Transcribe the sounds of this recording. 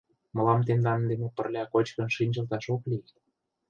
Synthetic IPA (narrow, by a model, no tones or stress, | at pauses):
mɤ̆lɑmt̪end̪ɑnd̪emepə̆rlʲɑkot͡ɕkə̆nʃinʲʒə̆lt̪ɑʃokli